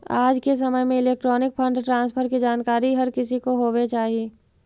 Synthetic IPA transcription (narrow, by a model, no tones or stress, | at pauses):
aːd͡ʒkes̬ɐməjmẽɪleːk̚ʈɾɔːnɪk̚pʰɐ̃ɳɖʈɾãːnspʰəɾkid͡ʒaːnkaːɾiɦɐɾkɪsikoɦoːʋet͡ʃaːɦieː